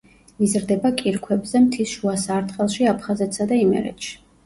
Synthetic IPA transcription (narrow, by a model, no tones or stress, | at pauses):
izɾd̪ɛbakʼiɾkʰwɛbzɛmt̪ʰisʃuasaɾt̪χɛlˠʃiapʰχazɛt̪sad̪aimɛ̰ɾɛ̰t̪ʃi̥